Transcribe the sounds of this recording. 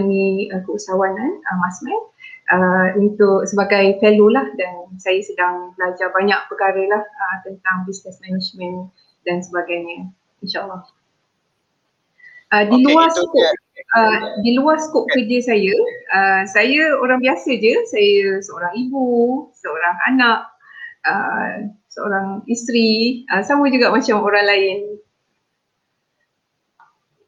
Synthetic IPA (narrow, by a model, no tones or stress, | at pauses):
nĩəkəusawananəmasmɛ̃nʔəunt̪ʊk̚səbaɡajfelolahdansajasədaŋbəlad͡ʒabaɲak̚pəkaɾəlahət̪ənt̪aŋbisnəsmɛnid͡ʒmə̃n | dansəbaɡajɲə̃ | inʃaʔəlːɔh | ʔədiluarsəkop̚ | ədiluarsə̥kop̚kərd͡ʒəsajəəsajəoɾaŋbiasəd͡ʒəsajəsəoɾaŋibusəoɾaŋa̰naʔ | ə̰ | səo̰ɾaŋist̪ɾiəsaməd͡ʒuɡaʔmat͡ʃamoɾaŋlaɪn